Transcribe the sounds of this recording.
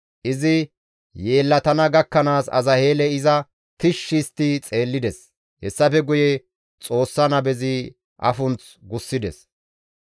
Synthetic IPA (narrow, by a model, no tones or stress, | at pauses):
ʔɪzɪ | je̞ːlːɐt̪ɐnɐɡɐkːɐnaːsɐ̰zɐhe̞ːlɛɪzɐ | t̪ɪʃːɪst̪ɪt͡sʼe̞ːlːɪd̪ɛs | hɛsːɐfɛɡʊjɛ | t͡sʼo̞ːsːɐnɐbɛzɪ | ʔɐ̰fʊnt͡s | ɡʊsːɪd̪ɛ̰s